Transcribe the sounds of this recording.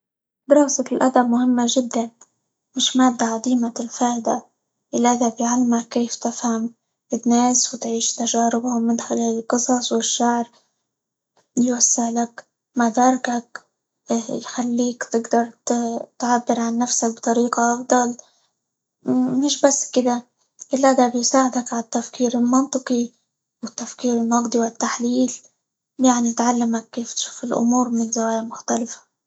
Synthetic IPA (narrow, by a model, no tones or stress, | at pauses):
d̪ɪɾɑːsakɪlʔad̪abmʊhɪmːaʒɪd̪ːan | mɪʃmaːb̪̚d̪aʕad̪iːmaɪlfaːʔd̪a | ʔɪlːʔaðabjʕalːmakːeːft̪ɪfham | ɪnːeːswt̪ʕiːʃt̪aʒaːɾɪbawmɪnxɪlaːlɪlqɨsˤɑsˤwɪʃːaʕɾ | jwasːɪʕlak | mad̪ɑːɾˤkak | jxalːiːkt̪ɪɡd̪ɑɾˤt̪t̪ʕabːɪɾʕanːafsak̚bt̪ˤɑɾiːqɑʔɑfd̪ˤɑl | mɪʃbasːkɪd̪a | ʔɪlːaʔad̪abɪjsaːʕɪd̪akʕat̪ːafkiːɾɪlmɑnt̪ˤɨqi | wɪt̪ːafkiːɾɪnnɑɡd̪ˤɨwɪt̪ːaħliːl | jaʕnit̪ʕalːamakːeːft̪ʃuːfɪlʔʊ̰muːɾˤmɪnzawaːjamʊxt̪alɪfḁ